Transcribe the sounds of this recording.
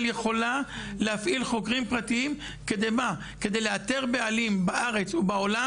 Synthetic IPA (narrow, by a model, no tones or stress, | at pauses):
ljeχo̞laleafʔilχokʁimpʁat̪iim | ke̞d̪ejba | ke̞d̪e̞jleat̪e̞ʁbealimbaʔaʁe̞t͡subao̞la